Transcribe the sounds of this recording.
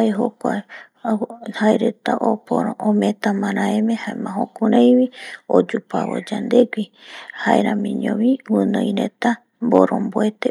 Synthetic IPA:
aeɦokʷa | haeɾet̪aʔopoɾoõmẽt̪amãɾãemẽhaemãɦõkuɾẽjwiod͡ʒupaβo̰d͡ʒand̪eɡʷihaeɾamĩɲõβiwɨ̃nõjɾet̪a | mboɾõmboet̪e

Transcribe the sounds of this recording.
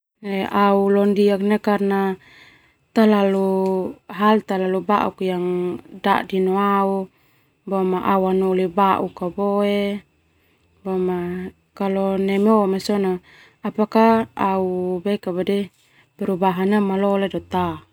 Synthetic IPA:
neaulɔndiaknakarna | t̪alalu | ɦalt̪alaluba̰ʔṵkjaŋda̰ʔdinɔau | bɔmaʔawanolibaʔukabɔe | bama | kalɔnɛmeomesɔnaː | pakaaubɛkabadɛ | pɛɾubaɦanamalɔledɔt̪a

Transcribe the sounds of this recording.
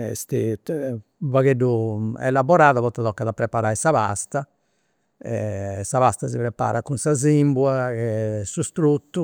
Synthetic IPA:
ɛ̰st̪i | vaɣeɖːuɛ̰labɔɾaːðaβɔt̪ːaðɔkːaðapːɾɛpaɾaːisaβa̰st̪a | ɛsaβast̪asipɾɛpːa̰ːɾakunsazimbwaɛsust̪ɾut̪ːu

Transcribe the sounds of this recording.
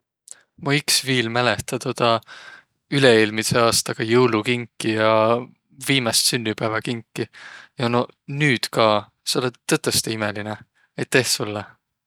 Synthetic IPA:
muiksviːlmælet̪ɑt̪od̪̥ɑ | yleeːlmiseɑːst̪ɑɡ̥ɑjɤwlukiŋkːijɑ | viːmɑst̪synːipæːvɑkiŋkːijɑnonyːd̪̥kɑː | seolet̪ːɤt̪ˑːest̪eimeline | et̪ːe̞hsulːe

